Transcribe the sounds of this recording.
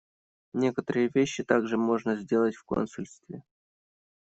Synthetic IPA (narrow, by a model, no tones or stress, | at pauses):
nʲe̞kət̪əɾɨjəvʲeɕːɪt̪aɡʐɨmo̞ʐnəzʲdʲe̞lˠətʲfko̞̰nsʲʊlʲst̪vʲɪ